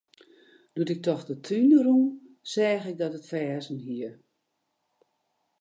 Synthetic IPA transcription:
d̥uətɪk̚tɔxdətʰynərum | sɛːɣɪk̚dɔtətfɛːznɦiər

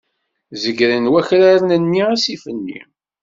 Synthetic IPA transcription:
zəɡɾənwæçɾaɾnənːiasifənːḭ

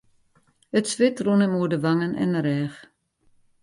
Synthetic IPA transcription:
ətsʋɪtrunəmuərdəʋaŋənʔɛ̰nəɾɛːx

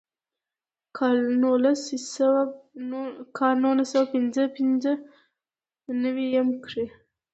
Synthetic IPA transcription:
kɑlnolasiawa | kʰɑlnulasawapɪnzəpɪnzə | nawijamkɽe

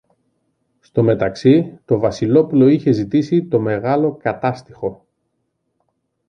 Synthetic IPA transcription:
st̪o̞me̞t̪ɐksit̪o̞vɐsilo̞pulo̞içe̞zit̪isit̪o̞me̞ɣɐlo̞kɐt̪ɐst̪ixo̞

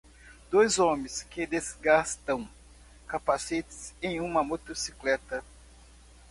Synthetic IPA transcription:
d̪̥ojzõmẽskɪd̪ezɡast̪ɐ̃w̃ | kapasit͡ʃ̪ɪ̥sẽj̃ũmɐmot̪osiklɛt̪ɐ

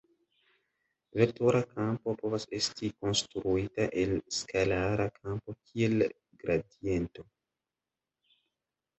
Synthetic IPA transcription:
vetoɾʔakʰampo̞po̞vasestiko̞nstɾuitaʔe̞lskʰalaɾakʰampo̞kʰiel | ɡɾadje̞nto̞

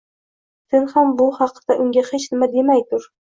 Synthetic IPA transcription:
senhambʊhɑqʰɨd̪aʔʊŋɡʲahet͡ʃnɪmad̪e̞majt̪ʰʊɾ

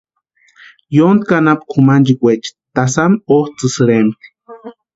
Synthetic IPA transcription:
jond̪̚kanapkʰumand͡ʒikʷet͡ʃi̥t̪asamoht͡sɨsɨɾemt̪i̥

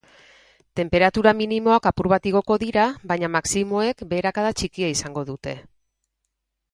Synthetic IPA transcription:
t̪e̞mpe̞ɾat̪uɾaminimo̞akapuɾβat̪iɣ̞o̞ko̞ðiɾaβajɲamaksimo̞e̞kbe̞ːɾakaðat͡ʃikiaisaŋɡo̞ðut̪e̞

